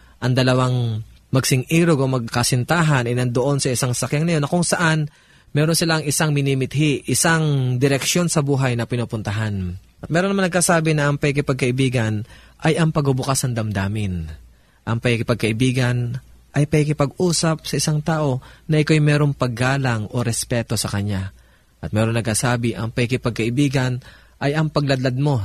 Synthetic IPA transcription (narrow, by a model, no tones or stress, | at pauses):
ʔɐŋd̪ɐlɐwaŋ | mɐɡ̚sɪŋʔiːɾoɡomɐɡkɐsɪnt̪aːɦɐnɐjnɐnd̪oʔo̞nsɐʔɪsaŋsɐkjaŋnɐjo̞nːɐkʊŋsɐʔan | mɛːɾonsɪlaŋɪsaŋmɪniːmɪt̪̚hiʔɪsaŋd̪ɪɾɛkʃjo̞nsɐbuːɦɐjnɐpɪnuːpʊnt̪ɐɦanʔɐt̪̚mɛːɾonɐmanɐɡ̚kasaːbɪnɐʔɐŋpɐɪkɪpɐɡ̚kɐʔɪbiːɡɐn | ʔɐjʔɐŋpɐɡʊbʊkasɐŋd̪ɐmd̪aːmɪn | ʔɐŋpɐkɪkɪpɐɡ̚kɐʔɪbiːɡɐnʔɐjpɐkɪkɪpɐɡʔuːsɐp̚sɐʔɪsaŋt̪aːʔo̞nɐʔɪkojmɛːɾo̞ŋpɐɡːaːlɐŋʔo̞ɾɛspɛːt̪o̞sɐkɐɲa | ʔɐt̪̚mɛːɾonːɐɡ̚kasaːbɪʔɐŋpɐkɪkɪpɐɡ̚kɐʔɪbiːɡɐn | ʔɐjʔɐŋpɐɡlɐd̪lɐd̪̚mo̞